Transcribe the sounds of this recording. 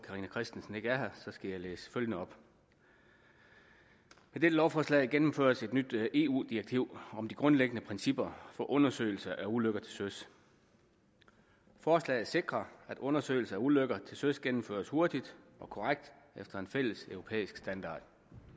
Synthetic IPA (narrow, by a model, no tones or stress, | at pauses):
kʰɑ̈ʁiːnækʰʁɛsd̥n̩sən̩e̝ɡ̥əæɐɦɐsɒ̽sɡ̥æjɑlḛːsføljənəɒ̽b̥ | med̥edəlɒʊfɒslɛ̰ːɡ̥enm̩fø̰ːɐ̰se̝d̥nyd̥e̝ːṵːd̥iɐɡ̥̚t͡sʰiʊ̰ɒ̽md̥iɡ̥ʁɔ̽nleɡ̥ənəpʰʁɛnsib̥ɐfɒ̽ʔɔ̽nɐsø̰ɪl̩sɐʔæɐuløɡ̥ɐt͡sʰe̝lsøs | fɒːslɛ̰ɪɐse̝ɡ̥ʁɐæd̥ɔ̽nɐsø̰ɪl̩sɐæɐuløɡ̥ɐt͡sʰe̝lsøsɡ̥enm̩fø̰ɐsho̝ɐd̥id̥ɒ̽kʰɒ̽ʁaɡ̥̚d̥ | efd̥ɐe̝nfel̰əsœʊʁopʰḛːisɡ̥sd̥ænd̥ɑ̰̈ːd̥